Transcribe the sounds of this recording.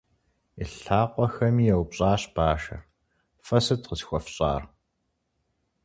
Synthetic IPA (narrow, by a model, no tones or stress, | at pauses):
iɬaːqʷɔxɐmiːjɛwpɕʼaːɕb̥aːʃɐ̰r | fɐsɨtqəsxʷɔfɕʼa̰ːr